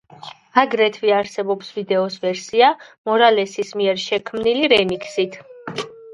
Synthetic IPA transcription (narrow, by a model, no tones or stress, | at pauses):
aɡɾɛt̪ʰviaɾsɛbɔpsvid̪ɛɔsvɛɾsiamɔɾalɛsismiɛɾʃɛkʰmniliɾɛmikʰsit̪ʰ